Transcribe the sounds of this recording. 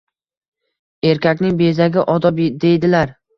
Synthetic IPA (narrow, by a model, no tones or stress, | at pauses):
e̞ɾkʲakʲnɪŋbe̞zaɡʲɪʔɒd̪ɒbd̪e̞jd̪ɪlaɾ